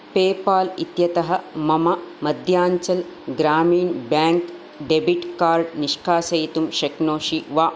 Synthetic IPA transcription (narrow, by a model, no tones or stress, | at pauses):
peːpaːlit̪jɐt̪ɐɦɐmɐmɐmɐd̪ʱjaːɲt͡ʃɐlɡɾaːmiːnbjaːŋk | ɖebiʈkaːɾɖniʂkaːsɐjt̪umʃɐknoːʃiʋaː